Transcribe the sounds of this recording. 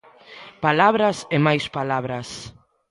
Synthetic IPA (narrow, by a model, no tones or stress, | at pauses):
palaβɾasemajspalaβɾɐs